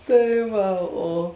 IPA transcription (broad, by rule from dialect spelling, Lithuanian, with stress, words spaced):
ˈtɐɪ ˈʋɐ oː